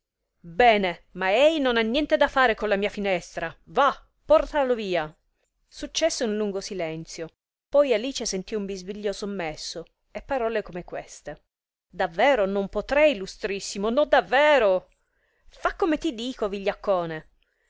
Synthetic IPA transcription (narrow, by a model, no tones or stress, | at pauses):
bɛːnemaɛjnonanːjɛnt̪ed̪afaːɾekonlamiːafinɛst̪ɾava | pːɔrt̪aloviːa | sut͡ʃːɛsːeunluŋɡosilɛnt̪sjo | pɔjaliːt͡ʃesent̪iumbizviʎːosomːɛsːo | epːaɾɔːlekomekwest̪e | d̪avːɛːɾonompot̪ɾɛjlust̪ɾisːimonɔd̪avːɛːɾo | fakːomet̪id̪iːkoviʎːakːɔːne